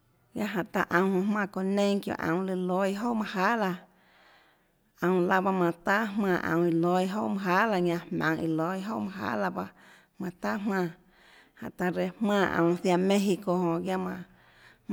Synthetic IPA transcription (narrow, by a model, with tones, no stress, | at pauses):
ɡja˦ʔɦã˨ʔt̪a˧ʔə̃˨whõ˧˨hmãː˧˨ko˧nẽ˦ŋkjo̰˧˨ʔã̰˨w̃lɨ˧lo˧˦jɦo˦mã˧ha˦la˧ | ə̃˨w̃la˧ba˧mã˧˨t̪a˦ɦmãː˧˨ʔã̰˧˨i˧lo˧˦jɦo˦ʔmã˧ɦa˦la˧ɲã˧hmã̰˨ŋḭ˧lo˨˧˦jɦo˦ʔmã˧ɦa̰ː˦la˧ba˧ | mã˧t̪a˦mãː˦˧˨ | hã̰˨ʔt̪a˧ɾe˧˨hmãː˦˧˨ʔə̰̃˨w̃θja˧mẽ˦ɦi˧ko˧hõ˨ɡja˦mã˧